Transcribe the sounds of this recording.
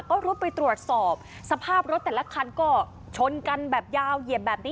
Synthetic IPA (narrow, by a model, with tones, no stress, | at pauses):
kɔː˥˩ɾuː˦˥pa˧jt̪ɾu˨˩ət̪̚sɔː˨˩p̚ | sa˧pʰaː˥˩p̚ɾo˦˥t̪̚ːɛː˨˩la˦˥kʰa˧nkɔː˥˩ | t͡ɕʰo˧nka˧nbɛː˨˩p̚jaː˧wji˨˩əp̚bɛː˨˩p̚niː˦